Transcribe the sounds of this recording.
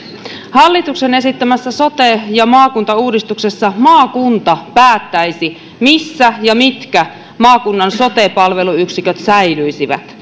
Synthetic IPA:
hɑlːit̪uksene̞sit̪ːæmæsːæso̞t̪ejɑmɑːkunt̪ɑuːdist̪ukse̞sːɑmɑːkunt̪ɑpæːt̪ːæisi | misːæjɑmit̪kæ | mɑːkunːɑnso̞t̪epɑlʋe̞luyksikøt̪sæjlyisiʋæ̰t̪

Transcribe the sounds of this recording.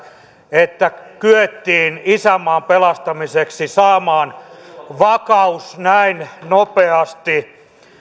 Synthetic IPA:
et̪ːækyøt̪ːiːnisæmːɑːmpelɑst̪ɑmiseksisɑːmɑːnʋɑkɑusnæinnopeɑst̪i

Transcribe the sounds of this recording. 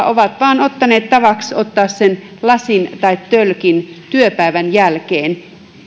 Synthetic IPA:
oʋɑt̪ʋɑːnot̪ːɑneːt̪t̪ɑʋɑksot̪ːɑːssen | lɑsint̪ɑit̪tølkint̪yøpæˑiʋænjælkeːn

